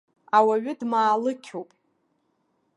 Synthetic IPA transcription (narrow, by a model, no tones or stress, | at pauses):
awaɥʏdmaːlɨkʲʰowpʼ